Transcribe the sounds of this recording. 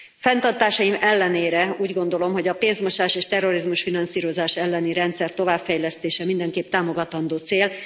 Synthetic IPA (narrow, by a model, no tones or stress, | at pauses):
fɛnt̪ɒrt̪aːʃɒjimɛlːɛneːɾɛuːɟɡo̞nd̪o̞lo̞mɦo̞ɟɒpeːnzmo̞ʃaːʃeːʃt̪ɛro̞ɾizmuʃfinɒnsiːɾo̞zaːʃɛlːɛniɾɛnt̪sɛrt̪o̞vaːpfɛjlɛst̪eːʃɛmind̪ɛŋkeːp̚t̪aːmo̞ɡɒt̪ɒnd̪oːt̪seːl